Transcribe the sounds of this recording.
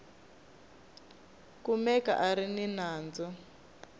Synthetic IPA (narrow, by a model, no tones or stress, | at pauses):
kumɛka̰ʔaɾininaːnd͡zɔ